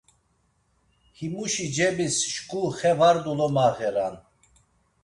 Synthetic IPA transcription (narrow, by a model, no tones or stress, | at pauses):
himuʃid͡ʒɛbisʃkʼuχɛvaɾd̪ulɔmaɣɛɾan